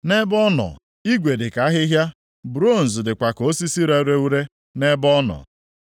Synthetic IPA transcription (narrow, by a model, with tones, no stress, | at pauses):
ne˦bɔ˦nɔ̰˨ | i˦ɡʷe˨dɪ˨ka˨˦ɦɪ˦ɦja˦ | bɾo˦˨n̩˨zʊ˨dɪ˨kʷa˨ko˦si˦si˦ɾa˦ɾe˦u˦ɾe˦ | ne˦bɔ˦nɔ̰˨